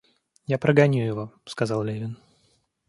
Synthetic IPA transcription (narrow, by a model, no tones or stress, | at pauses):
japɾəɡɐnʲujɪvoskɐzɑlˠlʲevʲɪn